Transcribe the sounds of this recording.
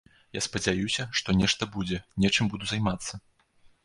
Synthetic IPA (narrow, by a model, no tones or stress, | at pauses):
jaspɐd͡zʲajusʲɐʂt̪ɔnʲɛʂt̪ɐbud͡zʲɛnʲɛt͡ʂɨmbud̪uzajmat̪sːɐ